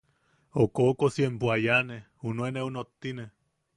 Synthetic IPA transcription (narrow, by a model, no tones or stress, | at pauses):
okokosiempuajane | unueneunot̪ːine